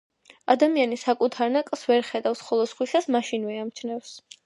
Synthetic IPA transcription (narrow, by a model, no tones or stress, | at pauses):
ad̪amianisakʼut̪ʰaɾnakʼlˠsvɛɾχɛd̪afsχɔlˠɔsχwisasmaʃinvɛamt͡ʃʰnɛfs